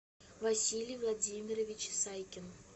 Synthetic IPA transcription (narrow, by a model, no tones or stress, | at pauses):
vɐsʲilʲijvlˠad͡zʲimʲɪɾəvʲɪt͡ɕsajkʲɪn